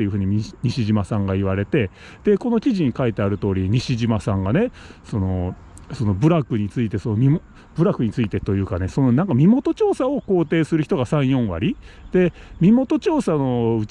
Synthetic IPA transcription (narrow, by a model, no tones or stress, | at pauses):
ejɯ̟ɦɯ̟ːɲ̟iɲ̟iɕiʑimasãŋɡaiβ̞aɾe̞t̪e̞ | d̪̥e̞ko̞nokʲiʑiɲ̟ikait̪e̞aɾɯ̟t̪o̞ːɾʲiɲ̟iɕiʑimasãŋɡane̞ | so̞no̞ | so̞no̞bɯ̟ɾakɯ̟ɲ̟it͡sɨit̪e̞so̞nomʲimo | b̥ɯ̟ɾakɯ̟ɲ̟it͡sɨit̪e̞t̪o̞jɯ̟ːkane̞so̞nonãŋkamʲimo̞t̪o̞t͡ɕo̞ːsao̞ko̞ːt̪e̞ːsɨɾɯ̟çi̥t̪o̞ɡasãɰ̃jõ̞ɰ̃βa̰ɾʲid̪̥e̞mʲimo̞t̪o̞t͡ɕo̞ːsano̞ɯ̟